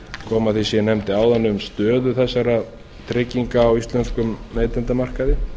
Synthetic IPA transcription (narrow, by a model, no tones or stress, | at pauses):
kʰɔːmaθisjɛnɛmt̪ɪaːwðanːʏʏmst̪œːðʏθɛsːaɾa | t̪ʰɾɪcːiŋkaːwist̪lɛnskʏmːeːjt̪ɛnt̪amar̥kaðɪ